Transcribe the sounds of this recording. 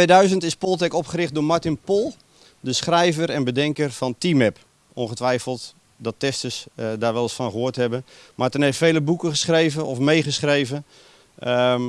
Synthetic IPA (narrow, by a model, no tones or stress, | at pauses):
ʋejdœɥzəntɪspɔlˠtɛkɔpχəɾɪχt̚dʊːmaɹtɪnpolˠ | dəsχrɛjvərɛnbədɛŋkərfɔntimɛp | ɔnχətʋɛjfəlˠt | dɔtɛstəsdaːɹʋɛlˠɪsfɔnχəɦʊətɦɛbənmatəneftfeːləbukəχəsχrejvəɔfmejχəsχrejvə